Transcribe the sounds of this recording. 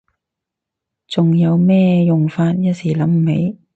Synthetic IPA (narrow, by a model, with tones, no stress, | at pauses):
t͡sʊ˨ŋjɐ˨˧wmɛː˥jʊ˨ŋfaː˧t̚jɐ˥t̚siː˨˩lɐ˨˥mm̩˨˩he˨˥j